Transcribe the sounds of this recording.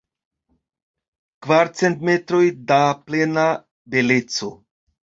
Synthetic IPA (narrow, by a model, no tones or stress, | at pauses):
kvaɾt͡se̞nt̪me̞t̪ɾo̞jdaple̞na | be̞le̞t͡so̞